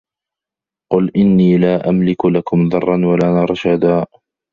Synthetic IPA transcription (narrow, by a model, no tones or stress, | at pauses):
qʊlʔɪnːiːlaːʔamlɪkʊlakʊmðɑrˤːɑnwalaːnɑɾˤʃad̪aː